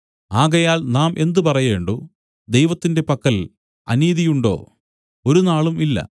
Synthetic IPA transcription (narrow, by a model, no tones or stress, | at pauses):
aːɣɐjaːlnaːmʔe̞nd̪upɐrɐjeːɳɖoː | d̪e̞jʋɐt̪ːinde̞pɐkːɐl | ɐ̰niːðijuɳɖo̞̰ː | oɾunaːɭumilːɐ̰